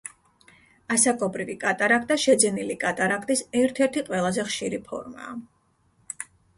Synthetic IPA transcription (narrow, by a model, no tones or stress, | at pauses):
asakʼɔbɾivikʼat̪ʼaɾak̚ʰʼt̪ʼaʃɛd̪zɛnilikʼat̪ʼaɾakʰt̪ʼisɛɾt̪ʰɛɾt̪ʰiqʼwɛlˠazɛχʃiɾipʰɔ̰ɾma̰ː